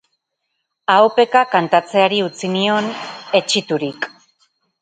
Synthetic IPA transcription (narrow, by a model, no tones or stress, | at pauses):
awpe̞kakant̪at͡se̞aɾiut͡sinio̞ne̞t͡ʃit̪uɾik